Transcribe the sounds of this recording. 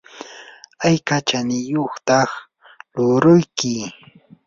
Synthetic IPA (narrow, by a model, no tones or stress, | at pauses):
ajkat͡ʃanɪjoχt̪ɑχ | lʊɾʊjkɪ